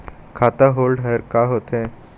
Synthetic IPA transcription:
kʰat̪aɦolɖɦəjɾkaɦot̪e

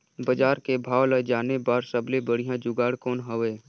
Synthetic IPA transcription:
bəd͡ʒaːɾkebʱaːwləd͡ʒaːnebaːɾsəblebəɽ̤ijãd͡ʒʊɡaːɽkɔːnɦəʋeː

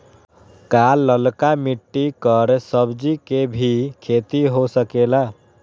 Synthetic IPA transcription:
kaːlːəlkamiʈːikəɾsəbd͡ʒikebʱikʰeːt̪iɦosəkeːla

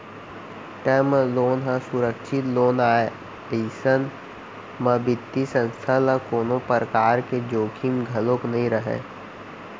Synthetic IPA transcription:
ʈəmloːnɦãsʊɾəkʃʰɪt̪loːnaːe | eːsən | məbɪt̪ːisə̃nst̪ʰalakoːnopɾəkaːɾked͡ʒoːkʰimɡʱɐlõknəɦĩɾəɦḛː

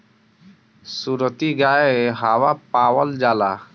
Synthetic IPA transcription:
suɾət̪iɡaːeɦaːwapaːwəld͡ʒaːla̰ː

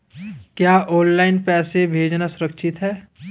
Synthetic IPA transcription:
kjaːʔɔ̃ːnlaːɪnpɛːsebʱeːd͡ʒnasʊɾəkʃʰɪt̪ɦɛː

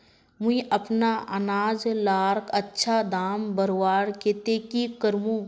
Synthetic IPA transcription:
mʊ̃ĩʔɐpnaənaːd͡ʒlaːɾkətːʃʰad̪aːmbəɾwaːɾket̪eːkikəɾmũː

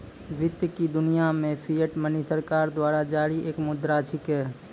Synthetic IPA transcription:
ʋɪt̪jəkid̪ʊnijamẽpʰijəʈmənisəɾkaːɾd̪waːɾad͡ʒaːɾiʔeːkmʊd̪ɾat͡ʃʰɪkɛː

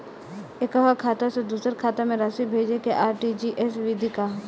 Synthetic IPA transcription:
ekəʋakʰaːt̪ased̪uːsəɾkʰaːt̪amẽɾaːsibʱeːd͡ʒekeʔaːɾʈid͡ʒiʔɛsʋid̪ʱikaː

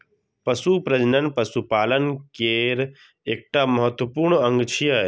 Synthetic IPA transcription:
pɐsupɾɐd͡ʒnənpəsupaːlənkeːɾ | eːk̚ʈaməɦət̪wəpuːɾɳɐ̃ŋɡt͡ʃʰijə

